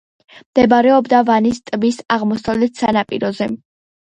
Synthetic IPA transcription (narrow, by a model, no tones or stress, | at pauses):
md̪̥ɛbɾɛɔbd̪avanist̪ʼbisaʁmɔsavlɛt̪ʰsanapʼiɾɔzɛ